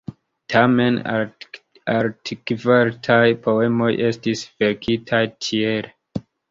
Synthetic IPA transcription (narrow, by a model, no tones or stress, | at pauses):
tʰame̞n | aɾtʰikvaɾtʰajpo̞e̞mo̞jʔe̞stisveɾkitʰajtʰiel